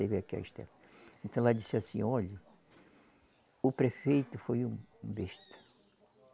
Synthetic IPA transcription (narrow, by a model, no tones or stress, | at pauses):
ejveakia̰iʃt̪ɛ̰m | ẽnt̪ɐ̃lˠad̪isasḭ̃ɔʎɪ | ʊpɾefejt̪ʊfojũbeʃt̪ɐ̥